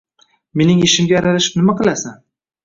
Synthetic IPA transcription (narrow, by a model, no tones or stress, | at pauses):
me̞nɪŋeʃɪmɡʲaːɾalaʃɪ̥pnɪmaqɨlˠasan